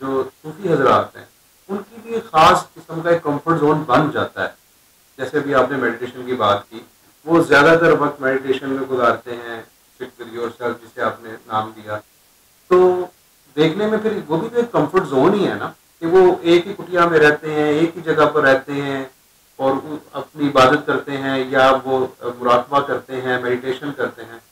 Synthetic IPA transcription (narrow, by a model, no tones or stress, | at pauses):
d͡ʒoːsuːfiɦɐzəɾa̰ːɾt̪eɦɛ̰̃ː | ʊnkibʱixaːskɪsəmkaeːkːɐ̃mfəɾʈzoːnbɐnd͡ʒaːt̪a̰ɦɛ̰ː | d͡ʒɛːseɐbʱiaːpnemɛːɖɪʈeːʃənkibaːt̪kiː | ʋozjaːd̪at̪ɐɾʋɐk̚t̪mɛːɖɪʈeːʃənmẽɡʊzaːɾt̪eɦɛ̃ː | sɪk̚ɡɐɾiɔːɾsaːd͡ʒɪseaːpnenaːmd̪ijaː | t̪oː | d̪eːkʰnemẽpʰɪɾʋoːbʱid͡ʒ̪oeːkːɐ̃mfəɾʈzoːniɦɛna | keʋoeːkɦikʊʈijamẽɾɛɦt̪eɦɛ̃eːkɦid͡ʒɐɡapɐɾːɛɦt̪eɦɛ̃ | ɔːɾɐ̰pniɪbaːd̪ət̪̚kɐɾt̪eɦɛ̃jaʋomʊɾaːkbakɐɾt̪eɦɛ̃mɛːɖɪʈeːʃənkɐɾt̪eɦɛ̃ː